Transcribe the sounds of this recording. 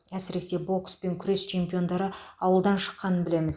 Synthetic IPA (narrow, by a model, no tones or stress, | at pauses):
æsɪɾe̞se̞bo̞kspe̞ŋkʲʰʏɾe̞st͡ʃʰe̞mpijo̞nd̪ɑɾəɑwəlˠd̪ɑnʃə̥qːɑnənbɪle̞mɪz